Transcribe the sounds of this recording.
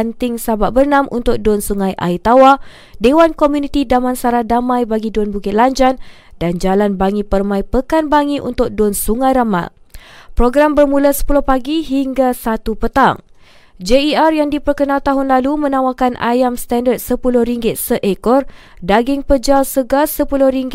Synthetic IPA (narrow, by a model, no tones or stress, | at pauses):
nt̪ɪŋsabaʔ̚bərnãmʔṵnt̪ʊk̚dɔnsuŋãjʔa̰it̪awa | dewankomjunĩt̪idamãnsaɾadamãjbaɡidɔnbukɪt̪̚laɲd͡ʒan | dand͡ʒalanbaŋĩpərmãjpəkanbaŋĩʔṵnt̪ʊk̚dʊnsuŋãjɾama̰pɾoɡɾambərmũlasə̥pulʊhpaɡiɦiŋɡasat̪upət̪a̰ŋ | d͡ʒeiarjaŋdipərkənãlt̪aɦʊnlalumə̃nãwakanʔa̰jamst̪andət̪̚səpulʊhɾiŋɡɪt̪̚səʔekɔr | daɡɪŋpəd͡ʒawsəɡasəpulʊhɾiŋɡ